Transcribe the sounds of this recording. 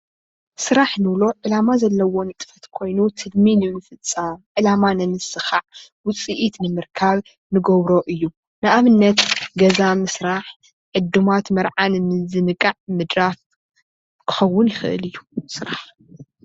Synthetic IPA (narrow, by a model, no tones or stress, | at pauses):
sɨɾaħnɨβlo̞ʕɨlamazɐlːɐwo̞nɨt̪ʼɨ̥fɐt̪kʰo̞jnut̪ʰɨlminɨnɨfɨt͡sʼːamʕɨlamanɨnɨsɨxaʕ | wʊt͡sʼiʔit̪nɨmɨɾkʰaβ | nɨɡoβɾo̞ʔɨjːu | nɨʔaβɨnːɐt̪ɡɐzamɨsɾaħ | ʕɨd̪umat̪mɐɾʕannɨzɨnɨkʼːaʕmɨd̪ɾaf | kʰɨ̥xɐwːʊnjɪxɨ̰ʔɨ̰lɨjːusɨɾaħ